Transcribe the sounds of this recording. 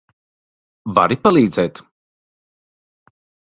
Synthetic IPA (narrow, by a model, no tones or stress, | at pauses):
va̰ɾipalˠiːd̪zɛːt̪